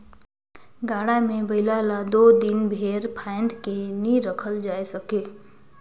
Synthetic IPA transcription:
ɡaɽamebəɪlalad̪od̪inbʱeɾpʰaɪnd̪keniɾəkʰəld͡ʒajsəke

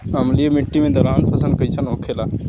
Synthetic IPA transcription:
ɐmliemiʈːimẽd̪ɐɾaːnpʰɐsənkɐit͡ʃʰanoːkʰela

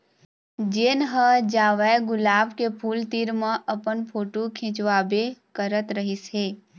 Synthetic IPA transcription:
d͡ʒenɦəd͡ʒaʋajɡʊlabkepʰult̪iɾmãʔəpəɳpʰoʈũkʰĩt͡ʃʋabekəɾət̪ɾəɦisɦe

